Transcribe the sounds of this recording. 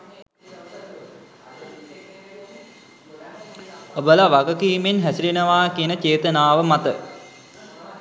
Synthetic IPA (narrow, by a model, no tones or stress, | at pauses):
obəlaʋaɡəkiːmenɦæsiɾenəʋaːkiənət͡ʃeːt̪ənaːʋəmat̪ə